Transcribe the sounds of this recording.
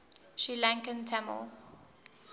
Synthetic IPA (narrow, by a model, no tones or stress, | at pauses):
ʃilãŋkə̃ntʰamə̰lˠ